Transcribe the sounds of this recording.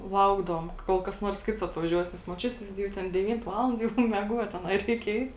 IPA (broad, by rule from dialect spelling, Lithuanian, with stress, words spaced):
ˈlˠɐʊɡdɐʋoːm ˈkoːlˠ kɐs ˈnuɔrs kʲɪts ɐtʋɐˈʒʲuɔs nʲɛs moːˈt͡ʃʲʊtʲ ˈɡʲɪ jɛʊ ˈtʲɛn dʲɛˈʋʲiːnt ˈʋɑːlˠɐnt ˈjɛʊ mʲɛˈɡuɔt ɐˈnɐɪ ˈrʲɛɪk ˈɛɪt